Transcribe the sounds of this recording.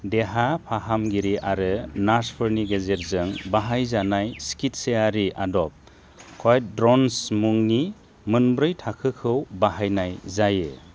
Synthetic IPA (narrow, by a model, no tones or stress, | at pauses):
deɦapʰaɦamɡiɾiʔaɾɯnaɾspʰɯɾniɡezeɾzɯŋbaɦajzanajskit̚seaɾiʔadɔp̚ | kʰojtdɾɔnsmuŋni | mɯnbɾɯjtʰakʰɯkʰɯwbaɦajnajzajḛ